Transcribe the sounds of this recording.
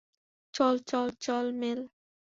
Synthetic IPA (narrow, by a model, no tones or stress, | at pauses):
t͡ʃɔlt͡ʃɔlt͡ʃɔlmel